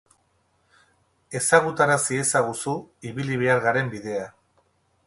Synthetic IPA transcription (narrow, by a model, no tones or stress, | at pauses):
e̞saɣ̞ut̪aɾasie̞saɣusuiβiliβ̞e̞aɾɣaɾe̞mbiðe̞a